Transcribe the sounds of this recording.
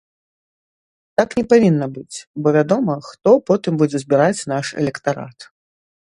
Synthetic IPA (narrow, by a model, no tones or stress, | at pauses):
t̪aknʲɛpavʲinːɐbɨt͡sʲbɔvʲad̪ɔmɐxt̪ɔpɔt̪ɨmbud͡zʲɛzʲbʲiɾat͡sʲn̪aʂɛ̰lʲɛkt̪aɾa̰t̪